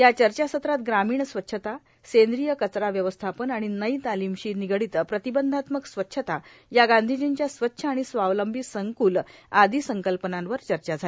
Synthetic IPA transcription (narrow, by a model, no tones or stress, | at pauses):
jat͡ɕəɾt͡ɕasət̪ɾat̪̚ɡɾamiːɳsʋətːɕʰət̪a | send̪ɾijəkət͡sɾaʋjəʋəst̪ʰapənaɽ̃inəit̪alimɕiːniɡɽit̪əpɾət̪ibənd̪ʱat̪məksʋətːɕʰət̪ajaɡãnd̪ʱid͡ʑint͡ɕjasʋətːɕʰəaɽ̃isʋaʋləmbʱisəŋkuːlad̪ʱisəŋkəlpənãnʋəɾt͡ɕəɾt͡ɕad͡zʱal